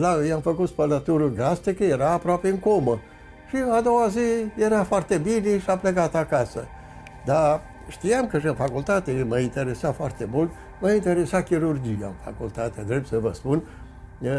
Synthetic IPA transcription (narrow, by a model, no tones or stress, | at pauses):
lajamfəkut̪spələt̪uɾuɡɾast̪ikəje̞ɾaːpɾoape̞ɨŋko̞mə | ʃiad̪o̞wazije̞ɾafoart̪e̞biniʃiaplekat̪akasə | d̪a | ʃt̪ijamkəʃɨnfakult̪at̪eməint̪e̞ɾe̞safoart̪e̞mult̪ | məint̪e̞ɾe̞sakʲiɾurd͡ʒija̰ɨnfa̰kult̪at̪ad̪ɾeb̪̚səvəspun